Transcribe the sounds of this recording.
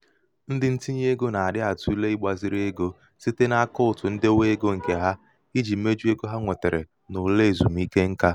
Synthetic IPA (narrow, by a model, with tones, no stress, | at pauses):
n̩˦dɪ˦n̩˦ti˦ɲ˦e˦ɡo˦na˨a˨dɪ˦a˨tu˦le˦i˦ɡ͡ba˨zi˦ɾe˦ɡo˦ | si˦te˦na˦kʊ˦ʊ˨tʊ˨n̩˦dɪ˦o˦we˦e˦ɡo˦ŋ̩˨ke˨ɦa˦ | i˦d͡ʒi˨m̩˦me˦d͡ʒu˦e˦ɡo˦ɦa˦ŋʷe˨te˨ɾḛ˨ | nʊ˨le˦˨zu˨m̩˦i˦ke˦ŋ̩˦ka˦